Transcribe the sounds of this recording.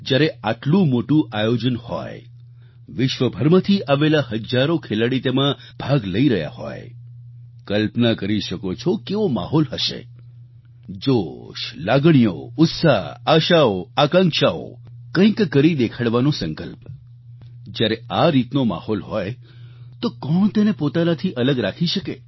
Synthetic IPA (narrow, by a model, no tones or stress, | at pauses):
d͡ʒjaɾeaʈlũmoʈũʔajod͡ʒənhɔ̰j | ʋɪʃʋəbʱəɾmət̪ʰiʔaʋelaɦəd͡ʒaɾokʰelaɽit̪emã | b̥ʱaɡləiɾəɦja̰hɔ̰j | kəlpnakəɾiʃəkot͡ʃʰokeʋoma̰ɦɔlɦəʃḛ | d͡ʒoʃlaɡɳ̃ijo̰ʊt̪saɦaʃaoakãŋkʃao̰kə̃ĩkːəɾid̪ekʰaɽʋanõsə̃ŋkə̰lp | d͡ʒjaɾeaɾit̪noma̰hɔlɦɔj | t̪okɔɳt̪enepot̪anat̪ʰiʔələɡɾakʰiʃəkḛ